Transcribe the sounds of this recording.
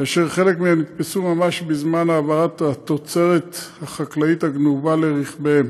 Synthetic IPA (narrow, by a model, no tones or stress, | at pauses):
kaːʃeʁχe̞lekmeemnit̪pesumamaʃbezmanaːvaʁat̪at̪ot͡se̞ʁet̪haχaklait̪haɡnuvaleʁiχbeem